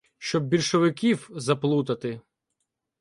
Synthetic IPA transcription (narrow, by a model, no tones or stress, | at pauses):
ʃt͡ʃɔb̚bʲilʲʃɔʋɪkʲiwzɐplˠut̪ɐt̪ɪ